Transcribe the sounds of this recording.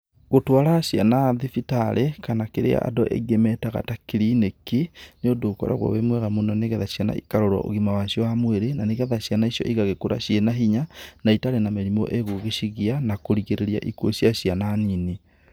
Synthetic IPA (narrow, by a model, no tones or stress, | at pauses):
ɣotwaɾaɕianaðifitaɾʔekanakeɾea̰ʔa̰doʔḛɣemɛtaɣa̰takeɾinekineodokɔ̰ɾa̰ɣwɔ̰wemwɛɣamonɔneɣɛðaɕiana̰ḭkaɾoɾwa̰ʔo̰ɣimawaɕjɔamweɾenaneɣɛðaɕijanaiʃjɔ̰ʔiɣaɣekoɾa̰ɕjenaɦiɲanaitaɾenameɾimɔʔeɣoɣeɕiɣianakoɾiɣeɾeɾia̰ʔikwoɕiaɕiananine